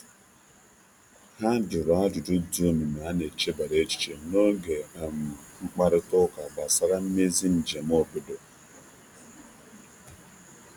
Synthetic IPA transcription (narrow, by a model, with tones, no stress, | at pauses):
ha˦dʊ˨ɾɔ˨a˦dʊ˨dʊ˦du˦˨mi˨na˨a˦ne˨t͡ʃe˦ba˨ɾe˦t͡ʃi̥˦t͡ʃe˨no˦ɡe˨a˨m˨ʊ˨ŋ͡m̩˦k͡pa˦ɾɪ˦tʊ˦ka˨ba˨sa˦ɾa˦m̩˦me˦zi˦n̩˨d͡ʒe˨m˦o˦˨bʊ˦do˨